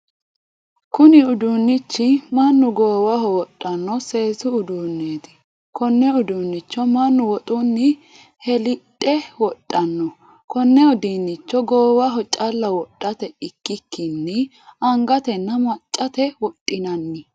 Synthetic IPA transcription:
kʊnɪʊd̪unːɪt͡ʃːɪmɐnːʊɡoːwɐɦɔwɔtʼːɐnːɔse̞ːsʊʊd̪uːnːeːt̪ɪ̥ | kɔnːɛʊd̪unːɪt͡ʃːɔmɐnːʊwɔt̪ʼʊnːɪ | hɛlɪtʼːɛwɔtʼːɐnːɔ | kɔnːɛɔd̪iːnːɪt͡ʃːɔɡoːwɐɦɔt͡ʃʼɐlːɐwɔɗʼːɐt̪ɛɪkːɪkːɪnːɛ | ɐŋɡɐt̪ɛnːɐmɐt͡ʃʼːɐt̪ɛwɔtʼːɪnɐnːɪ

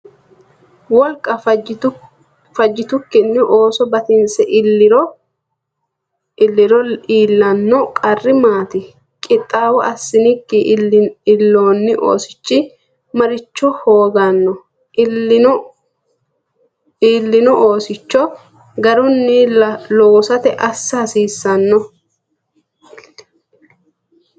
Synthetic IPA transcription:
wɔlkʼɐ | fɐd͡ʒːɪt̪ʊkːɪnːɪʔoːsɔbɐt̪ɪnsɛʔɾɔ | ɪlːɪɾɔiːlːɐnːɔkʼɐrːɪmaːt̪ɪ | kʼɪt̪ʼːaːwɔʔɐsːɪnɪkːɪɪlːo̞ːnːɪʔo̰ːsɪ̥t͡ʃːɪ | mɐɾɪt͡ʃːɔhoːɡanːɔ | iːlːɪnɔʔoːsɪt͡ʃːɔ | ɡɐɾʊnːɪɐloːsɐt̪ɛʔɐsːɐhɐsiːsːɐnːɔ

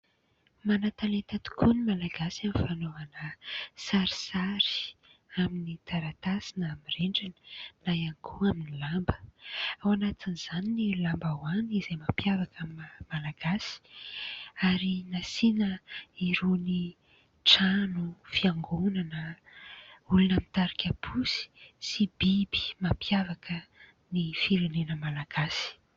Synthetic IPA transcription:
manat̪alet̪at̪u̥kʰunimalaɡasamifanovanəsaɾi̥saɾi̥aminit̪aɾat̪asinamireɳɖ͡ʐinə̥najanikʰuaminilambə̥awanat̪iniz̥aninilambawanizejmapiavakamimalaɡasi̥ | aɾinasinəiɾoni | ʈ͡ʂanufiaŋɡonanə | ulunamint̪aɾikʲapʰusi̥sibibi̥mapjavakʰə | nifiɾenenəmalaɡ̥asi̥

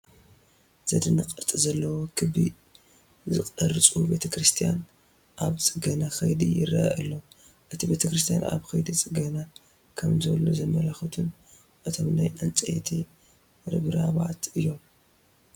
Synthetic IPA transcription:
z̥ɐd̪ɨnɐkʼɐɾt̪ʼizɐlːɐwokʰɨbḭ | zɨkʼɐɾɨt͡sʼube̞t̪ʰɐkɾɨst̪ʰijan | ʔaβt͡sʼɨɡɐnaxɐjd̪ḭjɪrɐ̰ʔɨlːo | ʔɨt̪ʰibe̞t̪ʰɐkɾɨs̬t̪ʰija̰na̰βxɐjd̪it͡sʼɨɡɐna | kʰɐmzɐlozɐmɐlaxɐt̪ʰun | ʔɨt̪ʰo̞mnajʔant͡sʼɐjt̪ʰi | ɾɨβɾaβaʕt̪ɨjːo̞m

